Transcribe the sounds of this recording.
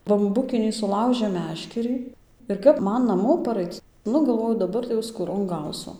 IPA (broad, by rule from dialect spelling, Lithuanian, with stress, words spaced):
bɐmˈbʊkʲɪnʲiː sʊˈlˠɐʊʒʲeːm ˈmʲæːʃʲkʲɛrʲiː ɪr ˈkɐp ˈmɐn nɐˈmoː pɐˈrɐɪt͡s ˈnʊ ɡɐlˠˈʋoːjʊ dɐˈbɐr tɐɪ jɛʊ skuːˈroːn ˈɡɐʊsʊ